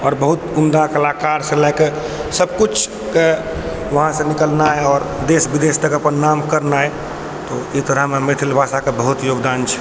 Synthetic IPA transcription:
ɔːɾbəɦut̪umd̪akəlakaɾsə̃lɛɪke | səbkut͡ʃʰ | ke | ʋəɦãsə̃nikəlnaɦɛɔːɾd̪esbid̪est̪əkəpənːamkəɾnaɛ | t̪ɔit̪əɾəɦmemet̪ʰilbʱasakebəɦut̪joɡd̪ant͡ʃʰɛ̥

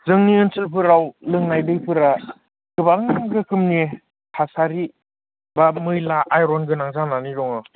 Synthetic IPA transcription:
zɯŋniɯnsɯlpʰɯɾawlɯŋnajdɯjpʰɯɾa | kɯbaŋaŋɡɯkʰɯmne | hʰasaɾi | bamɯjlaʔːjɾɔnɡɯnaŋzaŋnanidɔŋɯ

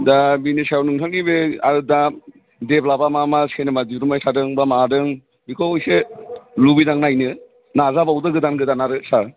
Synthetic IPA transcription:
dabinisajawnɯŋtʰaknibeaɾɯda | deplabamamasenɯmadiɾumajsʰadɯŋbamadɯŋ | bikʰoɔjselubidaŋnajnɯ | nazabawdɯɡɯdanɡɯdanaɾɯsa

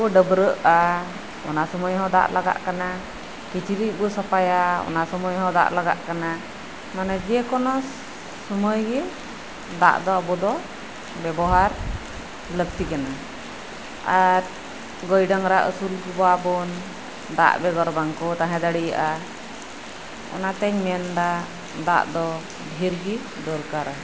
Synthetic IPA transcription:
ɔɖəbɾəʔa | ɔ̰nasɔmɔjɦɔ̃d̪a̰ʔlaɡa̰ʔkana | kit͡ʃʰiɾiʔ̚bɔsɔpajaɔ̰nasɔmɔjɦɔ̃d̪a̰ʔlaɡa̰ʔkana | manɛd͡ʒɛkɔnɔː | ɔməjɡɛ | d̪a̰ʔd̪ɔɔbɔd̪ɔ | bɛbɔɦaɾ | ləb̚t̪ikana | aɾ | ɡɔjɖaŋɾaʔə̰sulkubabɔn | d̪a̰ʔbɛɡɔɾbaŋkɔt̪aɦɛ̃d̪aɽija̰ʔa | ɔ̰nat̪ɛɲmɛnd̪a | d̪a̰ʔd̪ɔ | bʱiɾɡi | d̪ɔɾkaɾa

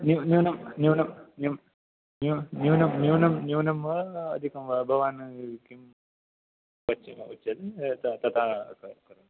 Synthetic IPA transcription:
njunjuːnɐmnjuːnɐmnjum | nunjuːnɐmnjuːnɐmnjuːnɐmʋɐɐd̪ʱikɐmʋɐbʱɐʋaːnɨkim | ʋɐt͡ʃːiut͡ʃːɐd̪ɨt̪ɐt̪ɐt̪ʰaːkɐkɐɾɐn

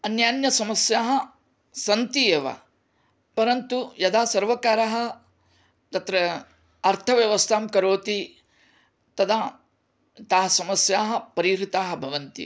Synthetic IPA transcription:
ɐnjaːnjɐsɐmɐsjaːɦɐ̆ | sɐnt̪ijeʋɐ̰ | pɐɾɐnt̪ujɐd̪aːsɐɾʋɐkaːɾaɦɐ̆ | t̪ɐt̪ɾɐ | ɐɾt̪ʰɐʋjɐʋɐst̪ʰaːmkɐɾoːt̪i | t̪ɐd̪ʰaː | t̪aːɦɐsɐmɐsjaːɦɐ̆pɐɾiɾit̪aːɦɐ̆bʱɐʋɐnt̪ḭ

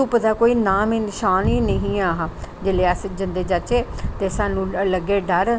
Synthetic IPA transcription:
upəd̪aːkoːiːnaːmeːnɪʃaːniːnəɦĩːaːɦãd͡ʒeːleːəsd͡ʒənd̪eːd͡ʒət͡ʃeːt̪eːsaːnũːləɡeːɖəɾ

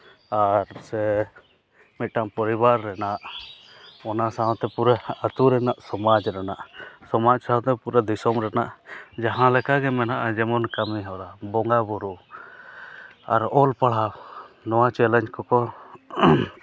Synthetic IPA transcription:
aɾsɛ | mit̪̚ʈaŋpɔɾibaɾːɛnaʔ | ɔnasaɦɔ̃t̪ɛpuɾɛat̪uɾɛnaʔsɔmad͡ʒɾɛnaʔsɔmad͡ʒsaɔ̃t̪ɛpuɾɛd̪isɔmɾɛna̰ʔd͡ʒaɦãlɛkaɡɛmɛnaʔad͡ʒɛmɔnkamiɦɔɾabɔŋɡabuɾu | a̰ɾɔlpaɽ̤aw | nɔwat͡ʃɛlɛɲkɔkɔ

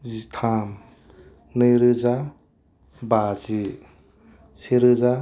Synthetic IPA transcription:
zit̪ʰam | nɯjɾɯza | bazi | sʰeɾɯza

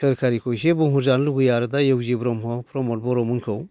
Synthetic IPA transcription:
sɯɾkʰaɾikʰɔjsebɔŋɦuɾzanluɡɯjaɾɯdajewzibɾɔmɦɔpʰɾɔmɔl̚bɔɾɔmunkʰɯw

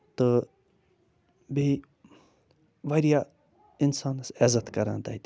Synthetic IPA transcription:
t̪ɨ | bʱi | ʋɐɾija | insaːnɐsɛzɐt̪kɐɾã̰ːnt̪a̰jt̪

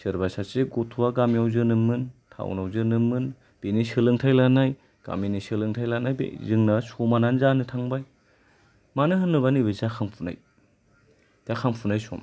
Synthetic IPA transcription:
sɯɾbasaseɡotʰuwaɡamiawzɯnɯmɯntʰa̰wnawzɯnɯmɯn | b̥inisɯlɯŋtʰajlanaj | ɡ̥a̰minisɯlɯŋtʰajlanajbḛzɯŋnɐsomananzanɯtʰaŋbaj | manɯɦɯnːɯβanibɯzakʰaŋpʰuna̰j | takʰaŋpʰunajsɔ̰ma

